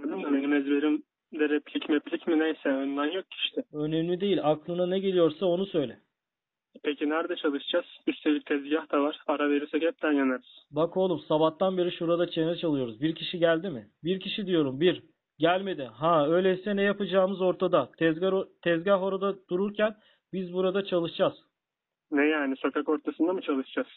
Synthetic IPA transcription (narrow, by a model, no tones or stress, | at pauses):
anɯamelʲimɛzbeɾim | d̪ɛɾɛplʲicmɛpʰlʲicmid̪ɛnsɛønlanjok̚cʰi̥ʃt̪ʰɪø̞nɛmlʲid̪e̞jilʲaklˠɯnanɛɟe̞lʲijo̞ɾsao̞nusø̞jlʲɛ | pʰecʰinæɾd̪at͡ʃʰalˠɯʃd͡ʒaz̥yst̪ʰelʲic̚ʲt̪ʰɛzɟahd̪avaɾ̥aɾaveɾysɛɟʰɛp̚t̪ʰænjanaɾyz̥bakʰo̞lˠumsabat̪ːanbe̞ɾiʃuɾad̪at͡ʃʰe̞nɛt͡ʃʰalˠɯjo̞ɾuzbiɾcʰiʃiɟælʲd̪imɪbiɾcʰiʃid̪ijo̞ɾumbiɾ | ɟælʲme̞d̪iɦaø̞jlʲesɛnɛjapɯd͡ʒaːmɯzo̞ɾt̪ʰad̪at̪ʰɛzaɾt̪ʰɛzɟaɦo̞ɾad̪ad̪̥uɾuɾcʰæn | bizbuɾad̪at͡ʃʰalˠɯʃd͡ʒaz̥ | nɛjaːniso̞kʰako̞ɾt̪ʰasɯnd̪amɯt͡ʃʰalˠɯʃd͡ʒaz̥